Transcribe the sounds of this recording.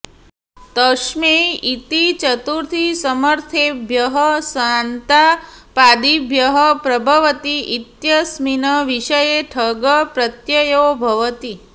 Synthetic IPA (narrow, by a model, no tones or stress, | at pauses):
t̪əʃmeit̪it͡ʃət̪uɾt̪ʰisəməɾt̪ʰebʱjəɦəsant̪apad̪ibʱjəɦəpɾəbʱəʋət̪iʔit̪jəsminəʋiʃəjeʈʰəɡəpɾət̪jəjobʱɐʋət̪i